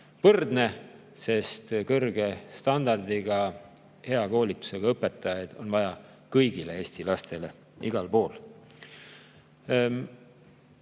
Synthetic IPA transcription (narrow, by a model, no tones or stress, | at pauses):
vɤrd̪ne̞ | se̞st̪kɤrɡ̥e̞st̪ɑnd̪̥ɑrd̪iɡ̥ɑ | he̞ɑko̞ːlit̪ːˑu̥se̞ɡ̥ɑɤpːˑe̞t̪ːˑɑjɑjd̪̥o̞̰nvɑjɑ | kɤjɡile̞e̞ːst̪ilɑst̪e̞le̞ | ʔiɡ̥ɑlpo̞ːl